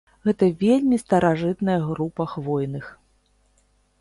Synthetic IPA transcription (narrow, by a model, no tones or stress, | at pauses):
ɣɛt̪ɐvʲelʲmʲist̪ɐɾʔaʐɨt̪nɐjɐɣɾupɐxvɔjnɨx